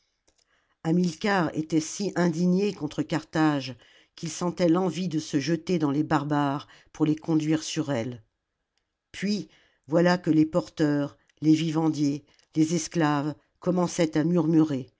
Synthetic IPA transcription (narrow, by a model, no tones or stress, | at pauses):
amilkaʁḛt̪ɛsiʔɛ̃d̪iɲjekɔ̃t̪χəkaʁt̪aʒ | kʲilsɑ̃t̪ɛlɑ̃vid̪əsəʒət̪ed̪ɑ̃lebaʁbaʁ | puʁlekɔ̃d̪ɥiʁsyʁɛl | pɥi | vwalakəlepɔʁt̪œʁ | levivɑ̃d̪je | lezɛsklav | kɔmɑ̃sɛt̪amyʁmyʁe